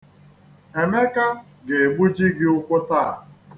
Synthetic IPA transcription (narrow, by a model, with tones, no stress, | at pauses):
e˨me˦ka˦ | ɡe˨e˨ɡ͡bu˦d͡ʒi˦ɡɪ˦ʊ˦kʷʊ˦taː˦˨